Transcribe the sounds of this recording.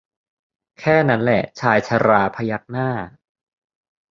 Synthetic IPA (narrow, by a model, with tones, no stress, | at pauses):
kʰɛː˥˩na˦˥nlɛ˨˩ʔt͡ɕʰaː˧jt͡ɕʰa˧ɾaː˧pʰa˧ja˦˥k̚naː˥˩